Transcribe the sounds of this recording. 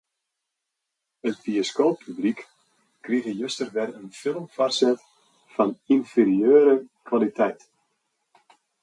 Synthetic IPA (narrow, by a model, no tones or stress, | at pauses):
ətbiəskoːpʰːyblik | kːriɣəjøstərʋɛrənfɪlˠəmfarsɛt | fɑninferiøːɾəkwalitʰɛjt